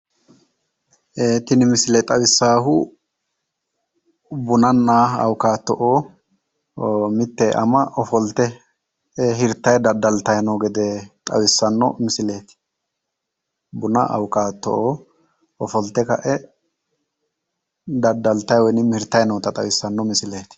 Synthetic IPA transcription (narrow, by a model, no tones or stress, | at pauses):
ʔeːt̪ɪnɪmɪsɪlɛt̪ʼɐwɪsːaːɦʊ | bʊnɐnːaːɐ̰wkaːt̪ːɔʔoː | mɪt̪ːɛʔɐ̰mɐʔɔfɔlt̪ːɛ | ɛɦɪɾt̪ːɐjd̪ɐd̪ːɐlt̪ɐjnɔːɡɛd̪ɛt̪ʼɐ̰wɪsːɐnːɔ̰mɪsɪle̞ːt̪ɪ̥ | bʊnɐ̰ʔɐ̰wkaːt̪ːɔ̰ʔoː | ɔfɔlt̪ːɛkɐ̰ʔɛ | d̪ɐd̪ːɐlt̪ɐjwɔnɪmhɪɾt̪ːɐjnɔːt̪ɐt̪ʼɐwɪsːɐnːɔmɪsɪleːt̪ɪ̥